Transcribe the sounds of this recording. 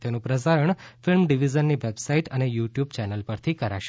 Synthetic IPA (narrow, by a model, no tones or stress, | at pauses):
t̪enũpɾəs̬aɾəɳfɪlmɖiʋid͡ʒənːiʋebsaiʈənejuʈjubt͡ʃɛnəlpəɾt̪ʰikəɾa̰ʃ